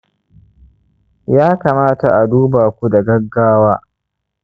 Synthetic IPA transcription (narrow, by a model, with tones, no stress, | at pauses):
jaː˦kaː˨maː˦ta˨ʔa˨duː˦baː˨kʷu˦da˨ɡɐ˦ɡːaː˦waː˦